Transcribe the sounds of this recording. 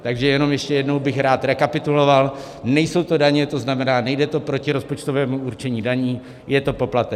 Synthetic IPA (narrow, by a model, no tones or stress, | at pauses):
t̪aɡʒɛjɛno̞mjɛʃcɛjɛdno̞wbɪxɾaːt̪ɾɛkapɪt̪ulo̞val | nɛjso̞wt̪o̞daɲɛt̪o̞znamɛnaːnɛjdɛt̪o̞pɾo̞cɪɾo̞spo̞t͡ʃt̪ovɛːmuuɾt͡ʃɛɲiːdaɲiː | jɛt̪o̞po̞plat̪ɛ